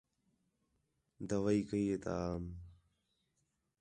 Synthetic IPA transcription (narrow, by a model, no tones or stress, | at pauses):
d̪əʋaiːkəiːeːt̪a̰aːm